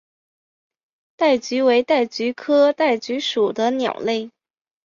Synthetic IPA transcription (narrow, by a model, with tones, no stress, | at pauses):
t̪a˥˩ɪt͡ɕy˧˥we˧˥ɪt̪a˥˩ɪt͡ɕy˧˥kʰɤ˥t̪a˥˩ɪt͡ɕy˧˥ʂu˨˩d̪ə˦njɑ̰˨˩ʊle˥˩ɪ